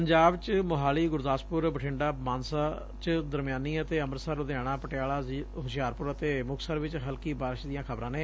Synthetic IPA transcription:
əɲd͡ʒaːbt͡ʃmʊɦaːliːɡʊɾd̪aːspʊɾbəʈʰɪɳɖaːmaːnsaː | t͡ʃd̪əɾmɪjaːniːət̪eːəməɾsəɾʊd̪ejaːɽ̃ãːpəʈɪjaːɭaːɦʊsjaːɾpʊɾət̪eːmʊkʰsəɾʋɪt͡ʃɦəlkiːbaːɾɪʃd̪ɪijãːkʰəbɾãːnẽː

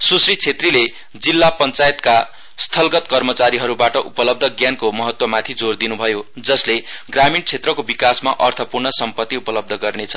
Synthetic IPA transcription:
susrit͡sʰet̪rile | d͡zilːapʌnt͡sajet̪ka | st̪ʰʌlɡʌt̪kʌrmʌt͡saɾiɦʌɾubaʈʌʔupʌlʌb̚d̪ʱʌɡjankomʌɦʌt̪wʌmat̪ʰid͡zord̪inubʱʌjod͡zʌsleɡramint͡sʰet̪rʌkobikasmaʔʌrt̪ʰʌpurɳʌsʌmpʌt̪ːiupʌlʌb̚d̪ʱʌɡʌrnet͡sʰʌ̥

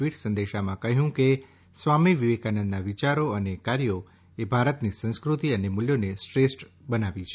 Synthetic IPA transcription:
ʋiʈsənd̪eʃamãkəɦjũke | sʋamiʋiʋekanə̃nd̪naʋit͡ʃaɾoənekaɾjo | ebʱaɾət̪nisə̃nskɾut̪iənemʊljonesʈɾesʈbənaʋit͡ʃʰe

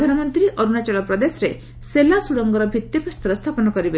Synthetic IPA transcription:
d̪ʱanɔmɔnt̪ɾiʔɔɾuɽat͡ʃɔlɔpɾɔd̪esɔɾe | selasuɽɔŋɡɔɾɔbʱit̪ːipɾɔst̪ɔɾɔst̪ʰapɔnɔkɔɾibe

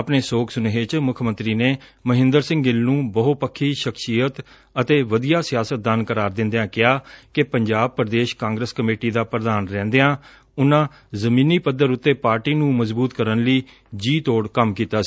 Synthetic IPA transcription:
əpneːsoːkʰsʊnɦet͡ʃmʊkʰmə̃nt̪ɾiːneː | məɦɪ̃nd̪əɾsɪ̃ŋɡɪlnũːbəɦoːpəkʰːiːʃəkʰsiːjət̪ | ət̪eːʋəd̪ijaːsɪjaːsət̪̚d̪ənkəɾaːɾd̪ɪ̃nd̪eãːkɪjaːkɪpəɲd͡ʒaːb̚pəɾd̪eːʃkãːŋɡɾəːskəmeːʈiːd̪aːpɾəd̪aːnɾɛ̃ːnd̪eãː | ʊnãː | zəmĩːniːpəd̪əɾʊt̪ːeːpaːɾʈiːnũːməzbuːt̪kəɾənliː | d͡ʒiːt̪oːɽkəmkiːt̪aːsi̥

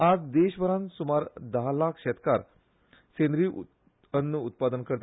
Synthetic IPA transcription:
ad͡zd̪eɕbəɾãnsumaɾd̪əɦlakʰɕɛt̪kaɾ | send̪ɾiː | ənːəut̪̚pad̪ənkəɾt̪

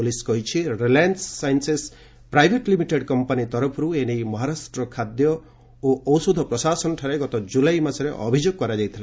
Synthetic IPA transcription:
ulisɡɔɦit͡ʃʰiɾilajansːajnses | pɾajbʱeʈlimiʈeɖkɔmpanit̪ɔɾɔpʰɔɾuenejmɔɦaɾasʈɾɔkʰad̪jɔ | oʔɔwsud̪ʱɔpɾɔsasɔnɔʈʰaɾeɡɔt̪ɔd͡ʒulajmasɔɾeʔɔ̰bʱid͡ʒjoɡ̚kɔɾad͡ʒajt̪ʰilã

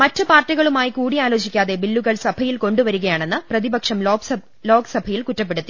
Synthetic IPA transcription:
mɐtːɐpaːrtːiɣɐɭumaːjikuːɽijaːlo̞ːɕikʲːaːðe̞bilːuɣɐɭsɐbʱɐjilko̞ɳɖuʋɐɾuɣɐjaːɳe̞nːɨprɐðibɐkʂɐmloːɐ | lo̞ːɡsɐbʱɐjilkutːɐpːe̞ɽut̪ːi

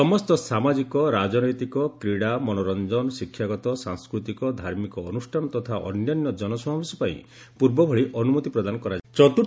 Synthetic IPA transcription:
sɔmɔst̪ɔsamad͡ʒikɔɾad͡ʒɔnɔjt̪ikɔkɾiɽamɔnɔɾɔnd͡ʒɔnɔsikʰːjaɡɔt̪ɔsaŋskɾut̪ikɔd̪ʱaɾmikɔːnusʈʰanɔt̪ɔt̪ʰaʔɔ̰njanjɔd͡ʒɔnɔsɔmabusɔpaĩ | puɾbɔbʱɔɭiʔɔnumut̪ipɾɔd̪anɔkɔɾat͡ʃɔt̪u

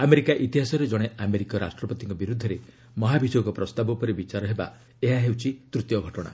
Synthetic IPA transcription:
ameɾikaʔit̪iɦasɔɾed͡ʒɔɽ̃eʔameɾikɔɾa̰sʈɾɔpɔt̪iŋkɔbiɾud̪ʱːɔɾe | mɔɦabid͡ʒoɡɔpɾɔst̪abɔpɔɾebit͡ʃaɾɔɦeba̰ | eɦaɦewt͡ʃʰit̪ɾut̪jɔɡʱɔʈɔɽ̃a̰

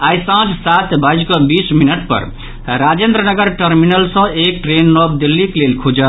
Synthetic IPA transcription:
ajsãd͡ʒsat̪ʰbad͡ʒɡɔbisminəʈ̚pə̰ɾ | ɾad͡ʒend̪ɾənəɡəɾʈəɾminəlsə̃ek̚ʈɾenːɔb̚d̪ilːiklelkʰud͡ʒə

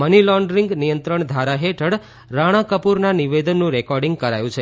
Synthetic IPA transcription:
mənilɔɳɖɾiŋɡnijənt̪ɾəɳd̪ʱaɾaɦeʈʰəɽ | ɾaɽ̃ãkəpuɾnaniʋed̪ənːũɾekɔɾɖiŋɡ̚kəɾa̰jũt͡ʃʰe

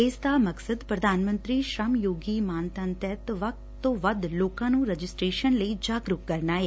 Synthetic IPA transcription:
eːsd̪aːməksəd̪pɾəd̪ʱaːnmə̃nt̪ɾiːʃɾəmjoːɡiːmaːnt̪ə̃nt̪ɛt̪ʋək̚t̪ːõːʋəd̪loːkãːnũːɾəd͡ʒɪsʈɾeːʃənləiːd͡ʒaːɡɾʊkkəɾnaːɦeː

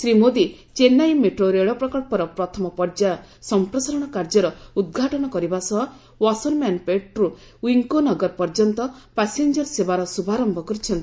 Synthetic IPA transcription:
sɾimod̪i | t͡ʃenajmeʈɾoɾeɭɔpɾɔkɔɭpɔɾɔpɾɔt̪ʰɔmɔpɔɾd͡ʒasɔmpɾɔsaɾɔɽ̃ɔkaɾd͡ʒɔɾɔud̪̚ɡʱaʈɔɽ̃ɔkɔɾibasɔɦ | wɔsɔɾmanpeʈɾu | wiŋkonɔɡɔɾpɔɾd͡ʒɔnt̪ɔpasend͡ʒɔɾsebaɾɔsubʱaɾɔmbʱɔkuɾit͡ʃʰɔnt̪i̥

